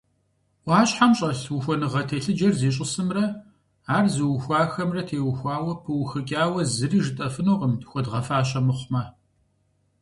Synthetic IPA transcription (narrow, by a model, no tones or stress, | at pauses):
waːɕħamɕʼɐɬwʊxʷɔnɨʁɐtʰeːɬɨd͡ʒɐrzeːɕʼɪsɨmrɐ | aːrzɨwxʷɑːxɐmrɐtʰeːwʊxʷɑːwɐpʰɨwxɨkʲʼaːwɐzɨriːʒɨtʼɐfɨnoːʁəmtxʷɔdʁɐfaːɕ̬ʼɐmɨχʷmɐ